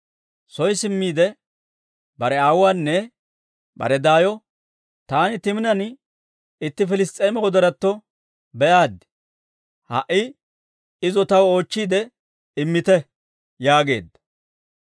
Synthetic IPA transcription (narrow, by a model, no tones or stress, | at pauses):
sɔjsɪmːiːd̪ɛ | bɐɾɛaːwaːnːɛ | bɐ̰ɾɛd̪aːjɔ | t̪aːnɪt̪ɪmɪnɐn | ɪt̪ːɪfɪlɪst̪ʼeːmɛwɔd̪ɐɾɐt̪ːɔ | bɛʔaːd̪ːɪ̥ | hɐ̰ʔɪ | ɪzɔt̪ɐwoːt͡ʃːiːd̪ɛ | ɪmːɪt̪ɛ | jaːɡe̞̰ːd̪ːɐ̥